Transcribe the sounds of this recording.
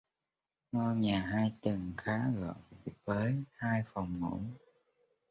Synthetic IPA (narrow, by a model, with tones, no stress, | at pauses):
nɔ˧jɲaː˨˩ɦaː˧jt̪ɨ˨˩ŋxaː˨˦ɣə̰ː˧˨ŋvəː˨˦jhaː˧jfə˨˩wŋ͡mŋṵ˧˩˥n